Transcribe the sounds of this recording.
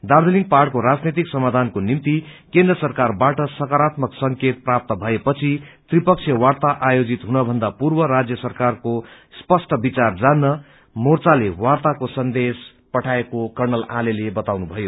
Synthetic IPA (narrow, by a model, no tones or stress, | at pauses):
d̪aɾd̪eliŋɡ̚parʈkoɾad͡znet̪iksʌmad̪ʱankonimt̪ikẽnd̪rʌsʌrkarbaʈʌsʌkaɾat̪mʌksʌŋket̪̚prap̚t̪ʌbʱʌepʌt͡sʰit̪ripʌk̚t͡sʰjʌwart̪aʔajod͡zit̪ɦunʌbʱʌnd̪apurbʌɾad͡zjʌsʌrkarko | spʌsʈʌbit͡sard͡zanːʌ | mort͡salewart̪akosʌnd̪es | pʌʈʰaekokʌrnʌlalelebʌt̪awnubʱʌjo